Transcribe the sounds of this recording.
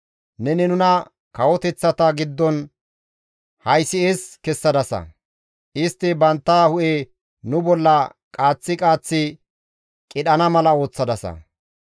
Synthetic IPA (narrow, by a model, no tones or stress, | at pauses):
nɛnɪnʊnɐ | kɐwɔt̪ɛt͡sːɐt̪ɐɡɪd̪ːɔn | hɐjsɪeːskɛsːɐd̪ɐsɐ̰ | ʔɪst̪ːɪbɐnt̪ːaːhʊʔe | nʊbɔlːɐkʼaːt͡sːɪkʼaːt͡sːɪ | kʼɪɗɐnɐmɐlɐo̞ːt͡sːɐd̪ɐsɐ̰